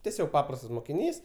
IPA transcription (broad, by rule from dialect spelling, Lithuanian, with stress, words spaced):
tʲɛˈsʲoːk ˈpɑːprɐstɐs moːkʲɪˈnʲiːs